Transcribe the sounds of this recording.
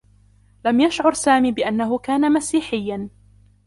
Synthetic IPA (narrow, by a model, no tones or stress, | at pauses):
lamjaʃʕʊɾsaːmiːbɪʔanːaɦʊkaːnamasiːħɪjːan